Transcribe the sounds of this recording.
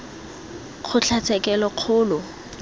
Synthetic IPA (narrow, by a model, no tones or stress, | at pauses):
χʰʊt͡ɬʰat͡sʰɛkʼɛlɔq͡χʰʊːlʊ